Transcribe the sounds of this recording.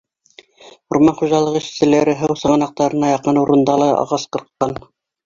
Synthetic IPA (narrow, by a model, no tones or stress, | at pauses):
ŭɾmɑnχuʒɑlˠɤʁiʃsɘ̆læɾɘɦɤwsɤ̆ʁɤnɑq̚t̪ɑɾɤ̆nɑjɑqɤnuɾɤ̆nd̪ɑlˠɑɑ̰ʁɑsqɤ̆ɾqːɑn